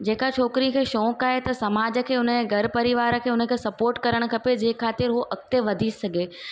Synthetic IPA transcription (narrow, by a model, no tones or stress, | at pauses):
d͡ʑeːkat͡ʃʰɔːkɾĩkʰeːʃɔ̃ːkaːɦet̪ɐsɐmaːd͡ʑə̆kʰeːʊnəɡɐɾpɐɾɪʋaːɾə̆kʰeːʊnə̆kʰeːsɐpoːɾʈkɐɾəɽ̃ʊ̆kʰɐped͡ʑeːkʰaːt̪ɪɾɦoʔɐk̚t̪eʋɐd̪ʱisɐɡʱeː